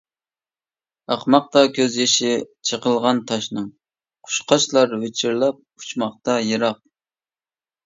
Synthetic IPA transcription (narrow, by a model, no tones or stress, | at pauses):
ɑχmɑq̚t̪ɑkʲʰøzjeʃɪt͡ʃʰəqəlˠʁɑnt̪ʰɑʃnɨŋ | qʰʊ̥ʃqʰɑʃlˠɑɾwet͡ʃʰiɾlˠɑp̚u̥t͡ʃmɑχ̚t̪ɑjeɾɑq̚